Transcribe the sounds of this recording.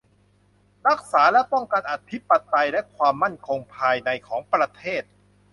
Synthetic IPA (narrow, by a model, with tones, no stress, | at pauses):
ɾa˦˥k̚saː˩˦lɛ˦˥pɔ˥˩ŋka˧nʔa˨˩t̪ʰi˦˥pa˧t̪a˧jlɛ˦˥kʰwaː˧mːa˥˩nkʰo˧ŋpʰaː˧jna˧jkʰɔː˩˦ŋpɾa˧t̪ʰeː˥˩t̪̚